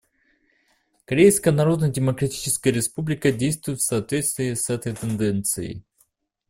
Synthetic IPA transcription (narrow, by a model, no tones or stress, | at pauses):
kɐɾʲejskəjənɐɾo̞d̪nədʲɪməkɾɐtʲi̥t͡ɕɪ̥skəjəɾʲɪspublʲɪkədʲejst̪vʊjt̪fsɐːt̪vʲet̪st̪vʲɪːsɛt̪əjt̪ɨnd̪ɛnt̪sɨjɪ̰